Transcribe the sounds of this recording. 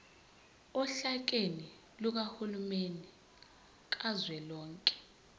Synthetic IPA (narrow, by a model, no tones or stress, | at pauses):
ɔɬak̬eni | luk̬ahulumenɛ | k̬azwɛlɔːŋkʼɛ̥